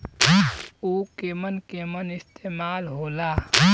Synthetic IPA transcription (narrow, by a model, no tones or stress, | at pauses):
okemənkemənɪst̪emaːlɦola